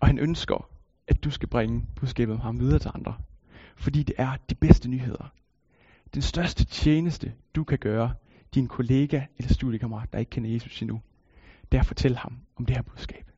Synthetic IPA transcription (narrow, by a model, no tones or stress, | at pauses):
ɒ̽hænʔønsɡ̥ɐ | ʔæd̥usɡ̥æb̥ʁeŋəb̥uð̞ˠsɡ̥ɛ̰ːb̥ð̩ˠmhɑ̈mʋið̞ˠɐːt͡sʰe̝ɑ̈nd̥ʁɐ | fɒd̥ḭːd̥e̝ʔæɐd̥ib̥esd̥ənyːɦe̝ð̞̰ˠɐ | d̥ensd̥ɶɐsd̥ət͡sʰjeːnəsd̥əd̥ukʰæɡ̥ɶːɐ | d̥inkʰo̝le̝ːɡ̥æelɐsd̥ṵðˠjəkʰɑmɐʁɑ̰̈ːd̥ɑ̈e̝ɡ̥̚kʰen̰ɐje̝ːsusinu | d̥eɐfɒ̽t͡sʰel̰əhɑ̈mɒ̽md̥e̝hæɐbuðˠsɡ̥ɛ̰ːb̥